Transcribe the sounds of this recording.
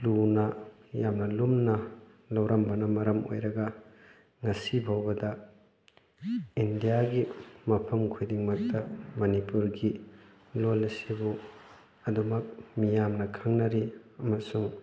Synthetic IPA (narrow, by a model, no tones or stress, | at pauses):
lunɐ | jamnɐlumnɐ | lɐwɾɐmbɐnɐmɐɾɐmo̰jɾɐɡɐ | ŋɐsibʱawbɐdɐ | indijaɡimɐpʰɐmkʰujdiŋmɐk̚tɐmɐnipuɾɡi | lolɐsibu | ɐdumɐk̚mijamnɐkʰaŋnɐɾiɐmɐsuŋ